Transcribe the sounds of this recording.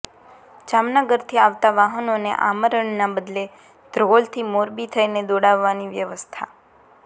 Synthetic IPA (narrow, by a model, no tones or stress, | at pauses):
d͡ʒamnəɡəɾt̪ʰiaʋt̪aʋaɦənonḛʔa̰məɾəɳːabəd̪le | d̪̥ɾolt̪ʰimoɾbit̪ʰəjned̪oɽaʋːaniʋjəʋəst̪ʰa̰